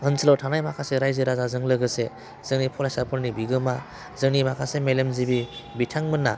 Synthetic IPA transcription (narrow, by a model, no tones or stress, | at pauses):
ɯnsʰilawtʰanajmakʰaseɾajzɯɾazazɯŋlɯɡɯse | z̥ɯŋnipʰɔlajsapʰɯɾnibiɡɯma | zɯŋnimakʰasemelemzibibitʰaŋmɯnːa